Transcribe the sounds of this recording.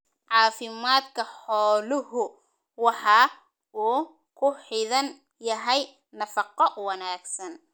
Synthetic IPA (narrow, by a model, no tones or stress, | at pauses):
ʕɑːfɪmaːd̪kʰɐħɔːlɪhʊ | wɑħɑː | ʔuː | kʰʊħɪðɐn | jɐɦɛj | nɐfɑqɔwɐnaːɡsɐn